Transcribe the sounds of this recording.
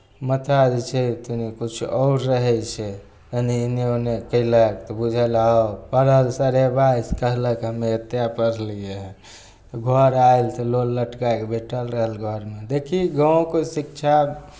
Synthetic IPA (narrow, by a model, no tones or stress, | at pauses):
mət̪ʰad͡ʒt͡ʃʰɛt̪unikut͡ʃʰuɔʊɾɾəɦɛjt͡ʃʰe | əniinionekəɪlək̚t̪ɔbud͡ʒʱəlaopəɾəlsəɾebajskəɦləkɦəmeət̪ːjapəɾlije | ɡʱɔɾailt̪ɔlolːəʈkaekebʱeʈəlɾəɦəlɡʱɔɾmed̪ekʰiɡə̃kesikt͡ʃʰa